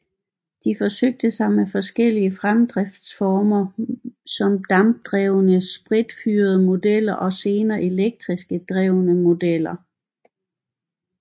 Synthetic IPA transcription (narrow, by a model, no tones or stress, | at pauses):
d̥ifɒ̽søɡ̥̚d̥əsɑ̈ɪmefɒ̽sɡ̥el̰iəfʁamd̥ʁɛfd̥sfɒːmɐsɒ̽md̥ɑ̈m̚d̥ʁɛʊnəsb̥ʁid̥fyːɐð̞ˠəmo̝d̥el̰ɐʔɒ̽se̝ːnɐːʔe̝leɡ̥̚d̥ʁisɡ̥əd̥ʁɛʊnəmo̝d̥el̰ɐ